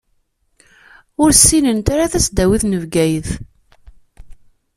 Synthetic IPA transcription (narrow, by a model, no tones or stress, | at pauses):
ʊɾsːinənt̪aɾaθæsd̪æwiθnəvɡæjəθ